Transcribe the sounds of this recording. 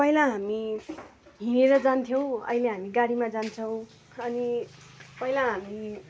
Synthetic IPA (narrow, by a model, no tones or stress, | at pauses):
pʌilaɦami | ɦineɾʌd͡zant̪ʰjow̃ʌ̰ileɦamiɡaɽimad͡zant͡sʰʌw̃ | ʌni | pʌilaɦami